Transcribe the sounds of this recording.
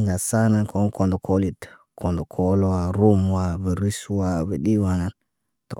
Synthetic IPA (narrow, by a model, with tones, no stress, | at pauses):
ŋɡa˨sa˦na˨kʰo˨˦n˦kʰo˨ndo˨kʰo˦li˨t | kʰo˨ndo˨kʰo˦lo˦wa˨ɾu˦mwa˦ve˨ɾi˦swa˦ve˨ɗi˦wa˨ŋa˨n | to̰˨